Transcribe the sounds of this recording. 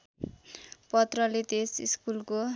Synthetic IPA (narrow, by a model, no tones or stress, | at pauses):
pʌt̪rʌlet̪esḭskulko